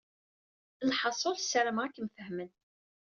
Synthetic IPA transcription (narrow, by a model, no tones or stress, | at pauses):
lħɑsˤolsəɾəmʁakːəmfəhmən